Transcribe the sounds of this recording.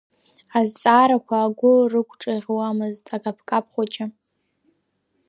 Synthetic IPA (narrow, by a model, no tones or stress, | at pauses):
azt͡sʼaːɾakʷʰaːɡʷʊrɨkʷʰʼʈ͡ʂʼaʁʲwamɨztʼaɡʼapʰkʼapʰχʷat͡ʃʼɪ